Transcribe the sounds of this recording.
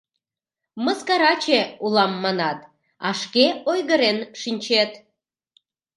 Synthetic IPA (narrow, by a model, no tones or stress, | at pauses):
məskɑɾɑt͡ɕeulɑmːɑnɑt̪ | ɑʃkeojɣəɾenʃinʲt͡ɕet̪